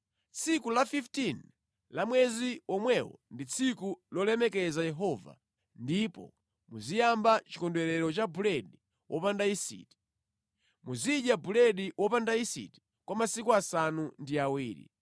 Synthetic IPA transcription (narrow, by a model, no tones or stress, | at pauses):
t͡sʰikulafiftin | lamwɛziwɔmwɛwɔ̰ndit͡sʰikulɔlɛmɛkɛzajɛɦɔva̰ | ndipɔ̰ | muzijambat͡ʃi̥kɔndwɛɾɛɾɔt͡ʃabulɛɗi | wʔɔpandaisḭːti̥ | muziɗjabulɛɗiwɔpandaisḭti̥ | kwamasikuasanundiawiːɾḭ